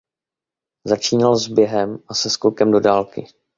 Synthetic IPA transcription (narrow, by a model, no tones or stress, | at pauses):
zat͡ʃiːnalzbjɛɦɛmʔasɛskokɛmdo̞daːlkɪ